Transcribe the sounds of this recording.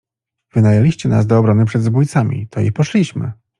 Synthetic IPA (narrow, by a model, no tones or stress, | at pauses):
vɘnajalʲiɕt͡ɕɛnasd̪ɔːbɾɔnɘpʂɛd̪zbujt̪samʲḭt̪ʰɔjḭpɔʂlʲiɕmɘ̰